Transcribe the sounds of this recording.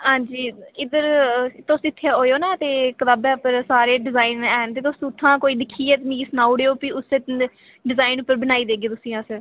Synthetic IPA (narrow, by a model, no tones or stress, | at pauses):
ɦãːɲd͡ʒiːɪd̪əɾt̪ːosɪt̪ʰːjaːɦoːjoːnaːt̪eːkʋaːbɛ̃ːpəɾsaːɾeːɖɪzaːinɛːnt̪eːt̪ʊsũt̪ʰːãːkoːiːd̪ɪkʰiːɛːt̪niːsnaːʊɽeːoːpiːʊsẽː | ɖɪzaːinʊpːəɾbənaːiːd̪eːɡeːt̪ʊsĩjãːsəɾ